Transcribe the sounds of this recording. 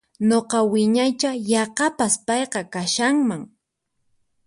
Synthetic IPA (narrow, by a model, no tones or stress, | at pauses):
ɲoqɑwɪɲajt͡ʃajɑqɑpaspɑjqɑkaʃaŋmaŋ